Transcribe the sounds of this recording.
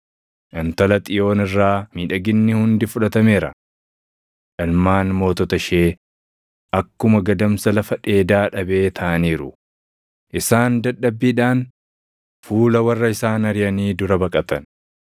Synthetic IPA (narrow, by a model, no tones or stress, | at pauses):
ʔɐnt̪ɐlɐt̪ʼɪjo̞ːnɪrːaːmiːᶑɐɡɪnːɪhʊnd̪ɪfʊᶑɐt̪ɐmeːɾɐ̰ | ᶑɐlmaːnmo̞ːt̪ɔt̪ɐʃe̞ː | ʔɐkːʊmɐɡɐd̪ɐmsɐlɐfɐᶑe̞ːd̪aːᶑɐbe̞ːt̪ʰɐːʔɐniːɾʊ | ʔɪsaːnd̪ɐɗːɐbːiːᶑaːn | fuːlɐwɐrːɐɪsaːnɐɾɪjɐniːd̪ʊɾɐbɐkʼɐt̪ɐn